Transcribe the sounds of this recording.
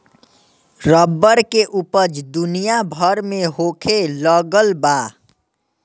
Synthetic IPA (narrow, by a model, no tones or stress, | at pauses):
ɾəbːəɾkeʔupəd͡ʒd̪unijabʱəɾmeɦokʰeləɡəlba